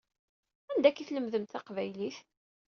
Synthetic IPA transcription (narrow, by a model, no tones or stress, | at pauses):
ænd̪ækːiθləmðəmt̪ɑqvæjliθ